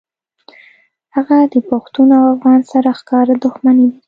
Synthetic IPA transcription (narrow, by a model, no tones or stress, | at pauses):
haɣad̪əpaxt̪unoawafɣɑnsaɾaxkɑɾad̪ʊxmaned̪i